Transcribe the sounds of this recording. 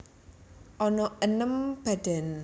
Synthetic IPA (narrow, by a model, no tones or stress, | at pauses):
ʔɔnɔʔənəmb̥ad̥ɛn